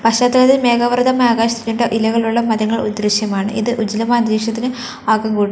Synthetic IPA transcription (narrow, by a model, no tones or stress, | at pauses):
pɐɕaːt̪ːɐlɐðime̞ːɣɐʋɐrd̪ɐmeaːɡaːɕit̪ikʲːuɳɖeʔilɐɣɐɭuɭːɐmɐðɐŋːɐɭud̪ɾiʂjɐmaːɳɨ̰ʔiðɨʔud͡ʑilɐmaːd̪ɾeʂɐt̪ːinɨ | aːkɐŋɡuːɽ